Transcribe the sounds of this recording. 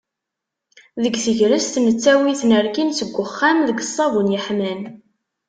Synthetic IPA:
ðəɡθəʝɾəst̪nət͡sːæwiθnəɾkinsəɡʷːəχːamðəɡəsˤːɑvunjəħmæn

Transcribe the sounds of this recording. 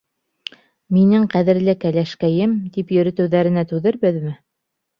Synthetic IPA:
minɘŋqæðɘ̆ɾlɘkælæʃkæjɘmt̪ipjɵ̆ɾɘ̆t̪ɘ̆wðæɾɘ̆næt̪ʉðɘɾbɘðmɘ

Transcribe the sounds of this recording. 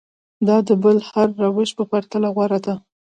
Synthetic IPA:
d̪ɑd̪əbəlhaɾːawɪʃpəpaɾt̪alaɣwaɾad̪a

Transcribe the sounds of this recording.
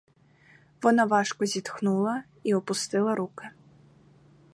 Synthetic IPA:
vɔnavaʂkuzʲit̪xnulˠɐ | iupust̪ɨlˠɐɾukɨ

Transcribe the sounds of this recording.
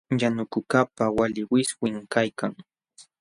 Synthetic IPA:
janʊkʊkapawalɪwɪswɪŋkajkaŋ

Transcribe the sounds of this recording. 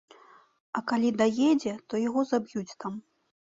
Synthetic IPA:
ɐkalʲid̪ajɛd͡zʲɛt̪ɔjaɣɔzabjut͡sʲt̪am

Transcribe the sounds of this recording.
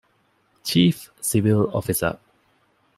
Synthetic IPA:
t͡ʃiːfsivɪlɔ̰fisə̰

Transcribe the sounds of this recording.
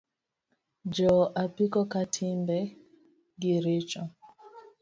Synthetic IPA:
d͡ʒɔʔapikɔkatʰimbɛ | ɡiɾit͡ʃɔ

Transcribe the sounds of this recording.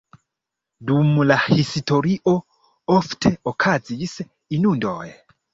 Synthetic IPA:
dumlahisto̞ɾiʔo̞ | oftʰe̞okʰazis | inundo̰j

